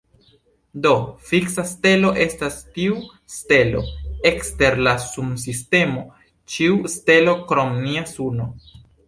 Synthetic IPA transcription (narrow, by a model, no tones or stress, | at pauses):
do̞fiksaste̞lo̞ʔe̞stastiu | ste̞lo̞̰ekste̞ɾlasums̬iste̞mo̞ | t͡ʃiuste̞lo̞kɾo̞mniasuno